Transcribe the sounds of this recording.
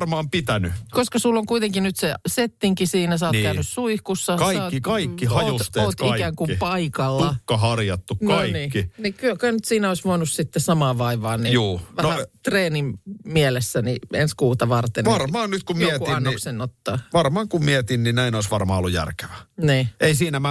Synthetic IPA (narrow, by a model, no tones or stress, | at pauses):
rmɑːmpit̪ænykoskɑsulːoŋkuit̪eŋkinyt̪seset̪ːiŋkisiːnæsɑoːnːkæynyssuihkusːɑkɑiɑkːtːikɑikːihɑut̪st̪eːt̪ikæːŋkumpɑikɑlːuɑkːɑɦɑrjɑt̪ːuknkɑinikːinikyøkɑnyt̪siːnæoisʋoinussit̪ːesɑmɑːʋɑiʋɑːnijuːʋænohæt̪reːnimmiɛlesːænienskuːt̪ɑʋɑrt̪enʋɑrmɑːnnyt̪kummiɛuiɑnnoiksenːot̪ːɑːʋɑrmɑːŋkummiɛt̪inninæinoisʋɑrmɑ̰ːolːujæ̰rke̥ʋæniːʔeisiːnæmæ